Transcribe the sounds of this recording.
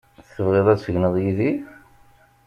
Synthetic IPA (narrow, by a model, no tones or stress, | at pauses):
θəvʁeðˤæt͡sːfəʝnəðˤjiði